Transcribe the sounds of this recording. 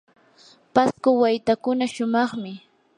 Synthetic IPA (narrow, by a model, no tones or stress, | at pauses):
paskʊwajt̪akʊnaʃʊmɑχmɪ